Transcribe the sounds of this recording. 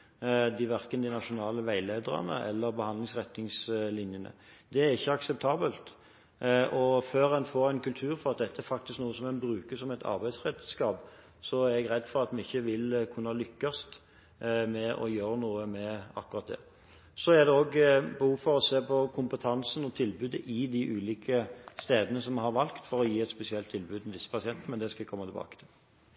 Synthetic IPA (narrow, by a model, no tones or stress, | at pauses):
d̪ɪʋæɾkənd̪ɪnɑʃʊnɑːləʋæɪleːd̪əɾɑ̰nə̰ʔɛ̰lːəɾbəhɑnd̪lɪŋsʁɛt̪nɪŋslɪnjənə̰ | d̪̥ɛæɾɪçːəɑksɛp̚t̪ʰɑːbəlt̪ | ʔɔføːɾɛnfoːɾæɪnkʰʉlt̪ʰʉːɾfɔʁɑt̪̚d̪ɛt̪ːəæɾfɑk̚t̪ɪsknuːəsɔmɛnbɾʉːkəsɔmæɪt̪ʰɑ̰ɾbæɪsʁɛt̪skɑːp | sɔæɾɛɡʁɛd̪ːfɔɾɑt̪mɪɪçːəʋɪlkʰʉnːɑlʏkːɑst̪ | mɛʔɔ̰jøːɾənuːəmɛɑ̰kːʉɾʁɑt̪̚d̪ɛ̰ | sɔæɾd̪ɛoːɡbɛhuːfɔɾɔseːpʰɔkʰʊmpət̪ʰɑnsənɔt̪ʰɪlbʉːd̪əʔɪd̪iʔʉːliːkʰəst̪eːd̪ənəsɔmɦɑɾʋɑlkt̪fɔɾɔjiːɛt̪spɛsɪɛlt̪ʰːɪlbʉːd̪mɛd̪ɪsːə̥pʰɑsɪɛnt̪əmɛnd̪ɛskɑʋɪkʰɔmːɑt̪ʰɪbɑ̰ːkət̪ʰɪl